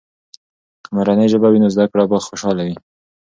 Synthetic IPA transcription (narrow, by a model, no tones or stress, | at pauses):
maɾanejʒəbawinozd̪akɽabaxoʃɑlawi